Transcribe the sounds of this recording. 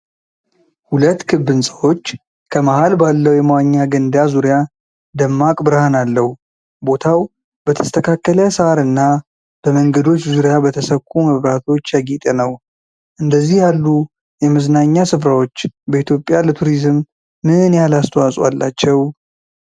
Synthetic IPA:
hulət̪ːkʰɨbːɨnsʼəwo̞t͡ʃː | kʰəmahalbalːəwjɛmwaɲːaɡənd̪azuɾija | d̪əmːakʼbɨɾhanalːəhu | bo̞t̪ʰaw | b̥ət̪ʰə̥st̪ʰəkʰakːəljasəaɾɨnːa | b̥əməŋɡəd̪o̞t͡ʃːzuɾjabət̪ʰəsəkʰːuməβɾat̪ʰo̞t͡ʃːjaɡit̪ʼənəw | ʔɨnd̪əzːihjalːu | jɛmɨznaɲːasɨfɾawo̞t͡ʃːbəit̪jo̞pʼːjalət̪ʰuɾizɨmː | ɨnjalast̪ʰəwasʼwa̰lːa̰t͡ʃːɛw

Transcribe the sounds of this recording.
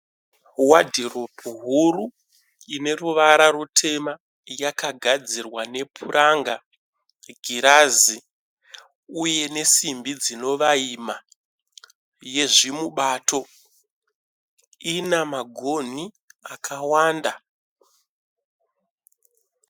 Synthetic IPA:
wadʱirobuɦuru | ine̞ruʋaɾarutʰe̞ma | jakaɡʱad͡zirwane̞pʰuɾʔaŋɡa | ɡʱiɾazi | uje̞ne̞simbid͡zino̞ʋaima | je̞ʐimuɓato̞ | inamaɡʱo̞ni | akʰawaːnda

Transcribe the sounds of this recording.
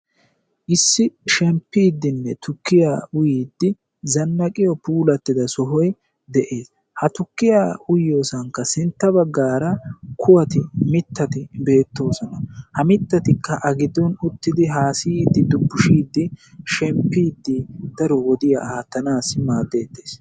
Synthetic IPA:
ʔɪsːɪʃɛmpːiːd̪ːɪnːɛt̪ʊkːɪjaːʊjiːd̪ːɪ | zɐnːɐkʼɪjɔpuːlɐt̪ːɪd̪ɐsɔɦɔj | d̪ɛʔeːs | hɐt̪ʊkːɪjaːʊjoːsɐŋkːɐsɪnt̪ːɐbɐɡːaːɾɐkʰʊwɐt̪ɪmɪt̪ːɐt̪ɪbe̞ːt̪ːo̞ːsɔnɐhɐmɪt̪ːɐt̪ɪkʰːɐʔɐɡɪd̪ːɔnʊt̪ːɪd̪ɪɦaːsɪid̪ːɪd̪ʊbːʊʃiːd̪ːɪʃɛmpːiːd̪ːɪd̪̥ɐɾɔwɔd̪ɪja̰haːt̪ːɐnaːsɪmaːd̪ːe̞ːd̪ːe̞̥ːs

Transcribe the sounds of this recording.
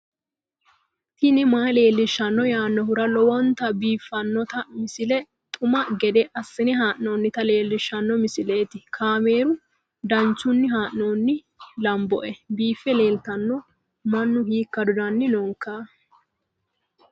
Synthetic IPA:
t̪ɪnɪmaːjle̞ːlːɪʃːɐnːɔjaːnːɔhʊɾɐlɔwɔnt̪ɐbiːfːɐnːɔt̪ɐmɪsɪlɛ | t̪ʼʊmɐɡɛd̪ɛʔɐsːɪnɛɦaːʔnoːnːɪt̪ɐle̞ːlːɪʃːɐnːɔmɪsɪle̞ːt̪ɪkʰaːme̞ːɾʊ | d̪ɐnt͡ʃːʊnːɪɦaːʔnoːnːɪ | lɐmbɔ̰ʔɛbiːfːɛle̞ːlt̪ɐnːɔ | mɐnːʊhiːkːɐd̪ʊd̪ɐnːɪnɔŋkːaː

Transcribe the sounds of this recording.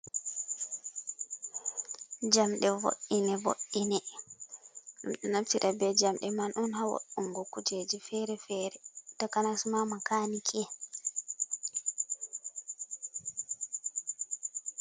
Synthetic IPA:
d͡ʒamɗɛvo̰ɗːinɛvo̰ɗːinɛ | ɗṵmɗɛnatiɾʔabɛd͡ʒamɗɛmanʔunhawo̰ɗuŋɡɔkud͡ʒed͡ʒifɛɾɛfɛɾɛtɔkanasumamakanikʰɛ

